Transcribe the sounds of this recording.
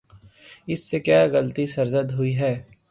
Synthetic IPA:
ɪsːekjaːɣəlt̪isɐɾzəd̪ɦʊiɦɛː

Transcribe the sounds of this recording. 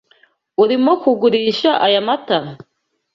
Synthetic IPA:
uɾimokuɡuɾiːʃaʔajamata

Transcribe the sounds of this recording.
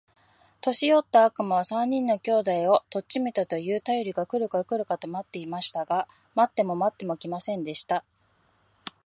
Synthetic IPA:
t̪o̞ɕijo̞t̪ːaːkɯ̟maβ̞asãɲ̟ːĩnːo̞kʲo̞ːd̪aio̞t̪o̞t͡ɕɕimʲit̪at̪o̞jɯ̟ːt̪ajo̞ɾʲiɡakɯ̟ɾɯ̟kakɯ̟ɾɯ̟kat̪o̞mat̪ːe̞imaɕi̥t̪aɡa | mat̪ːe̞mo̞mat̪ːe̞mo̞kʲimasẽ̞nd̪e̞ɕi̥t̪a

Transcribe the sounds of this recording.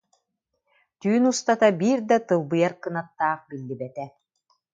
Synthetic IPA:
t̪yːnust̪at̪abiːɾd̪at̪ɯlˠbɯjaɾkɯnat̪ːaːχbilːibɛt̪ɛ

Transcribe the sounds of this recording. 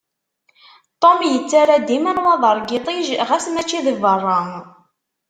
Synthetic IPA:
t̪ˤomjət͡sːaɾæd̪imænwɑðˤəɾˤɡit̪ˤiʒʁæsnæt͡ʃːiðəvərˤːɑŋ

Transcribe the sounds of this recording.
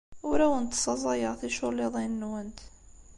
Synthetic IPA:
wɾæwənt̪sˤɑzˤɑjɑɾθiʃʊliðˤinːwənt̪

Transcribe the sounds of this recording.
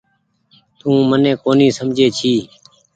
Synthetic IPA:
t̪ũːmənẽːkoːniːsəmd͡ʒʱeːt͡ʃʰiː

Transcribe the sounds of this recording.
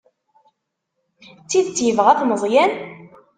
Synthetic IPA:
t͡sːiðt͡sːjəvʁæθnəzˤjæn

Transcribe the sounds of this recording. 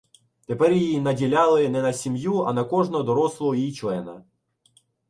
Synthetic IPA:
t̪epɛrjiinɐdʲilʲalˠɪnɛnɐsʲimjuɐ̰nɐkɔʐnɔd̪ɔɾɔslˠɔɔjijt͡ʃlˠɛnɐ

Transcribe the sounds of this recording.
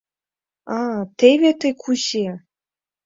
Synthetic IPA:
ɑt̪eβet̪əjkʰuʑe

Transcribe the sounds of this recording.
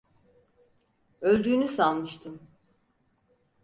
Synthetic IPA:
ølʲd̪yːnysalˠmɯʃt̪ʰɯm

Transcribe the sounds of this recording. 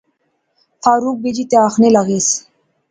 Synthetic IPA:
fɑːɾuk̚bed͡ʒit̪eaxnelaɣis

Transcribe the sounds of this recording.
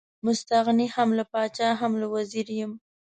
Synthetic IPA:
mʊst̪aɣnihamlapɑt͡ʃɑɦamlawaziɾjɪm

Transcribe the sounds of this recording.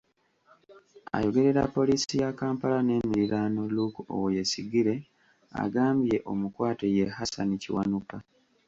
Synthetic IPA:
a̰jo̞ɡe̞ɾe̞ɾa̰pːo̞lisijakaːmpalane̞ːmiɾiɾaːnoluko̰wojesiɡiɾe̞ | a̰ɡaːmbje̞ʔo̞mukwaːteje̞hasanicḭwanuka

